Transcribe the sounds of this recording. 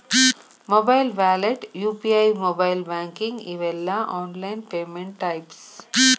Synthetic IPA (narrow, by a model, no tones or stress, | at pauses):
moːbaɪlʋæːleʈjuːpiːaɪmoːbaɪlbæ̃ːŋkĩŋɡiʋelːaʔɔ̃ːnlaɪnpeːmẽɳʈʈːaɪps